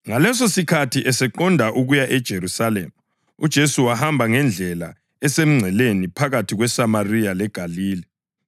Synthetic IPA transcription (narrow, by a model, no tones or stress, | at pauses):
ŋalɛs̬osikʰatʰiʔɛsɛǃɔndʱaʔuɣujaʔɛd̥ʒ̥ʱeɾusalḛːmu | ud̥ʒ̥ʱesuwahambʱaŋɛnd͡ɮʱɛla̰ | ɛsem̩ŋ͡ǀʱɛlenipʰaɣatʰiɣwɛsamarijalɛɡ̥ʱaliːlɛ